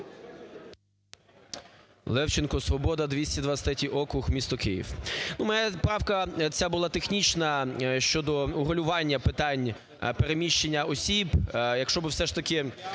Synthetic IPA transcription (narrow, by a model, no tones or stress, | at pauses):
lˠɛwt͡ʃɪnkɔsʋɔbɔd̪ɐd̪ʋʲisʲtʲid̪ʋɐst̪ɐtʲiʔɔkɾʊxmʲist̪ɔkɪjḭwnumɐjapɾɑwkɐt͡sʲabʊlˠɑt̪exnʲit͡ʃnɐʃt͡ʃɔd̪ɔʊɦɔlʲʊʋɑnʲːɐpɪt̪ɑnʲ | peɾemʲiʃt͡ʃenʲːɐɔsʲibjɐkʃt͡ʃɔbɪwsɛʂt̪ɐkɪ